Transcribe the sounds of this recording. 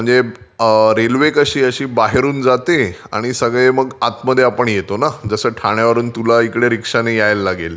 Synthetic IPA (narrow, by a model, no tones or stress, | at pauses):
m̤əɳd͡ze | ɾelʋekəɕiːəɕiːbaɦeɾuːnd͡zat̪ea̰ɽ̃isəɡɭeməɡat̪məd̪ʱːjeapəɳjet̪onad͡zəsəːʈʰaɽ̃jaʋəɾuːnt̪ulaikɽeɾikʂanejajlːaɡel